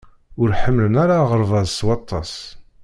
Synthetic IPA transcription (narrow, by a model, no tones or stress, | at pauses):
ʊɾħəmːlənaɾaʁəɾˤvɑzswɑt̪ˤʰːɑs